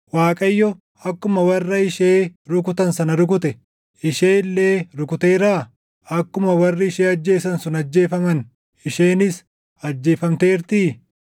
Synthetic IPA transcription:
waːkʼɐjːɔ | ɐkːʊmɐwɐrːɐɪʃeːɾʊk̬ʊt̪ɐnsɐnɐɾʊk̬ʊt̪ɛ | ɪʃe̞ːɪlːeːɾʊkʊt̪eːɾaː | ɐkːʊmɐwɐrːɪɪʃeːɐd͡ʒːe̞ːsɐnsʊnɐd͡ʒːe̞ːfɐmɐn | ɪʃe̞ːnɪs | ɐd͡ʒːe̞ːfɐmt̪eːɾt̪iː

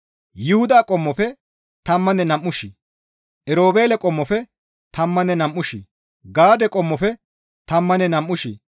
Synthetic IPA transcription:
jɪhʊd̪aːkʼɔmːɔfɛ | t̪ɐmːɐnɛnɐmʔːʊʃi | ʔɛɾo̞ːbe̞ːlɛkʼɔmːɔfɛ | t̪ɐmːɐnɛnɐmːʊʃi | ɡaːd̪ɛkʼɔmːɔfɛ | t̪ɐmːɐnɛnɐmʔːʊʃḭ

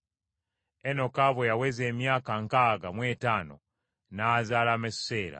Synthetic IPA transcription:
eno̞kaβojawezeːmjaːkaŋkaːɡamwe̞ːtaːno̞̰ | nazaːlamesse̞ːɾa̰

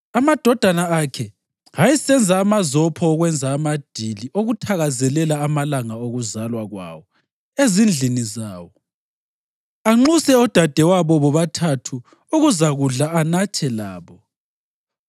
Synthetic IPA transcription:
amad̥ʱɔd̥ʱanaakʰɛ | hajisɛnd͡zʱaːmazɔpʰɔːɣwɛnd͡zʱaːmad̥ʱiliʔoɣutʰaɣazɛlɛlaːmalaŋaoɣuzalwaɣwa̰ːwɔ | ezind͡ɮʱinizaːwɔ | aŋ͡ǃusɛɔd̥ʱad̥ʱɛwaβɔβɔβatʰatʰu | uɣuzaɣuɮaanat͡ʃʰʼɛlaːβɔ

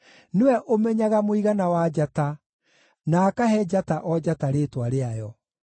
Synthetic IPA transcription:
newɛʔomɛɲaɣamoiɣanawad͡ʒata | naːkaɦɛd͡ʒataʔɔd͡ʑataɾeːtwaɾeajɔ

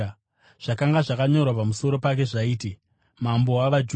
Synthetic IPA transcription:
ʐ̥akaŋɡaʐakaɲo̞rwapamuso̞ɾo̞pak̬e̞ʐaiːti | mambo̞waʋad͡ʒ

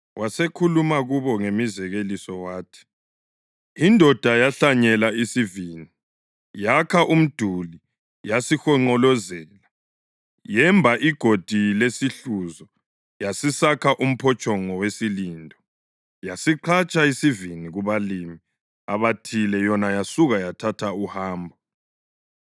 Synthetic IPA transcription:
wasekʰulumaɣuβɔŋemizɛɣelisɔwaːtʰi̥ | indʱɔd̥ʱajaɬaɲɛlaisiviːni | jakʰaʔum̩d̥ʱuli | jasixɔŋ͡ǃɔlɔzɛːla | jɛmbʱaʔiɡ̥ʱod̥ʱilesiɬuzɔ | jasisakʰaʔum̩pʰɔt͡ʃʼɔŋɔwesilindʱɔ | jasiǃʰat͡ʃʼaisiviniɣuβalimi | aβatʰilɛjɔnajasuɣajatʰatʰauhaːmbʱɔ

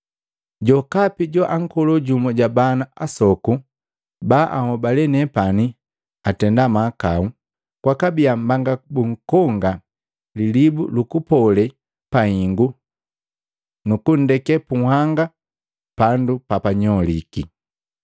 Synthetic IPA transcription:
ɟɔkapiɟɔʔaŋ̩kɔlɔɟumɔɟabanaʔasɔku | baːʔahɔbalɛnɛpani | atɛndamakau | kwakabiambaŋɡabuŋ̩kɔŋɡa | lilibṵlukupɔlɛ | pahiŋɡu | nukun̩dɛkɛpuhaŋɡa | pandupapaɲɔlḭki

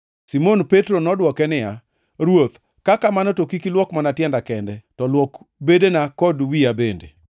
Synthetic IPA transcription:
simonpetɾonɔdwɔkɛnɪja | ɾwot̪ | kakamanɔtokikilwɔkmanatjɛndakɛndɛtɔlwɔk | bedenakɔdwiabendḛ

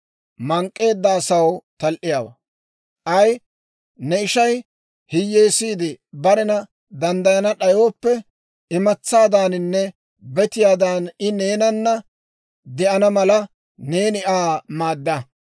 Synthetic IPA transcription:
mɐŋkʼːe̞ːd̪ːɐːsɐwt̪ɐlʔɪjaːwɐ̰ | ʔɐj | nɛɪʃɐj | hɪjːe̞ːsiːd̪ɪbɐɾɛnɐ | d̪ɐnd̪ɐjɐnɐɗɐjo̞ːpːɛ | ɪmɐt͡sːaːd̪aːnɪnːɛ | bɛt̪ɪjaːd̪aːnɪne̞ːnɐnːɐ | d̪ɛʔɐnɐmɐlɐ | ne̞ːnɪʔaːmaːd̪ːɐ

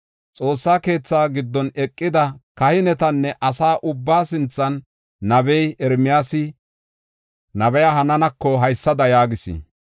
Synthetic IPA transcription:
t͡sʼo̞ːsːaːke̞ːt͡sːaːɡɪd̪ːɔnɛkʼːɪd̪ɐkɐhɪnɛt̪ɐnːɛʔɐsaːʔʊbːaːsɪnt͡sːɐnː | ɐbɛjɛɾmɪjaːsɪ | nɐbɛjaɦɐnɐnɐkːɔɦɐjsːɐd̪ɐjaːɡɪsɪ̰

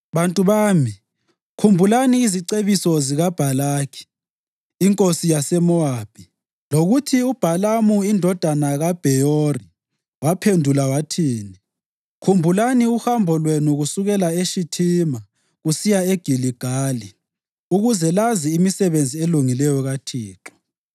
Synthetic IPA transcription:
βantʼuβaːmi | kʰumbʱulaniːziǀeβisɔziɣab̥ʱalaːkʰi̥ː | ŋkʼosijasɛmɔab̥ʱʼi | loɣutʰiub̥ʱalamuindʱɔd̥ʱanaɣab̥ʱɛjoɔri | wapʰendʱulawatʰiːni | kʰumbʱulaniuhambʱɔlwenuɣusuɣɛlaeʃitʰima | ɣusijaeɡ̥ʱiliɡ̥ʱaːli | uɣuzɛlaziːmisɛβend͡zʱieluŋilɛjɔɣatʰiːǁɔ̥

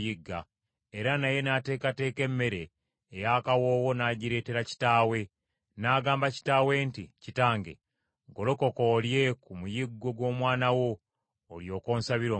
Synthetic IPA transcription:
jiɡːa̰ | eɾanaje̞nate̞ːkate̞ːke̞mːe̞ɾe̞ː | jakawo̞ːwo̞naːɟiɾe̞ːteɾaci̥taːwe̞ | naːɡaːmbaci̥tawe̞nticitaːŋɡe̞̰ | ɡo̞lo̞ko̞koːlje̞kumujiɡːo̞ɡwo̞ːmwaːnawo̞ː | ljo̞ːko̞ːnsaβiɾoː

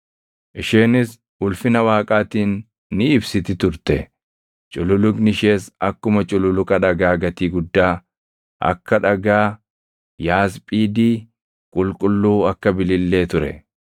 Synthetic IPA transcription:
ʔɪʃeːnɪs | ʊlfɪnɐwaːkʼaːt̪iːnː | ɪːbsɪt̪ɪt̪ʊɾt̪ɛ | t͡ʃʼʊlʊlʊknɪʃe̞ːsɐkːʊmɐt͡ʃʼʊlʊlʊkʼɐᶑɐɡaːɡɐt̪iːɡʊd̪ːaː | ʔɐ̰kːɐᶑɐɡaː | jaːspʼiːd̪iː | kʼʊlkʼʊlːuːɐkːɐbɪlɪlːe̞ːt̪ʊɾɛ̰

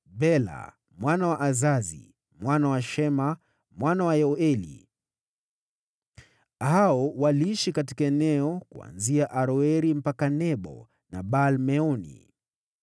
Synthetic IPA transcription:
bɛla̰ | mwanawaʔazazḭ | mwanawaʃɛma | mwanawajɛɔɛlḭ | haɔwaliiʃikati̥kaɛnɛɔkua̰nziaʔaɾɔɛɾim̩pakanɛɓɔ̰ | na̰ɓalmɛɔnḭ

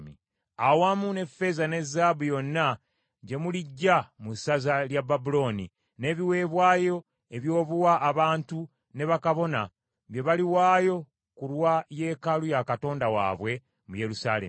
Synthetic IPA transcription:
mḭ | awaːmune̞fːe̞zane̞zːaːbujo̞nːa | ɟe̞muliɟːamusazaljababulo̞ni | ne̞ːβiwe̞ːβwaːjo̞ | e̞βjo̞ːβuwaʔːβaːntu | ne̞βakaβo̞na̰ | βje̞βaliwaːjo̞ | kuɾwaje̞ːkalujakato̞ːndawa̰ːβwe̞ | muje̞ɾusalḛ

